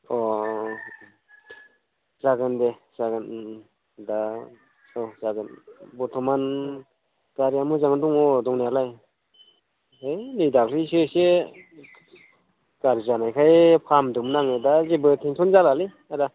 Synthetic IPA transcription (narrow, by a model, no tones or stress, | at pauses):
ɔ | zaɡɯnde | z̥aɡɯn | da | ɔzaɡɯnbɔtʰɔman | ɡaɾijamɯzaŋɯdɔŋɔdɔŋnialaj | ejnɯjdaklisɯse | ɡ̥aɾizanajkʰajpʰamdɯmnaŋɯdazebɯtʰeŋtʰɔnzalali | aɾa